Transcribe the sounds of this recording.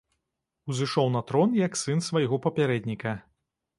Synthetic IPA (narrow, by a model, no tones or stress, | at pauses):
uzɨʂɔwnɐt̪ɾɔnjɐksɨnsvajɣɔpɐpʲaɾɛd̪ʲnʲikɐ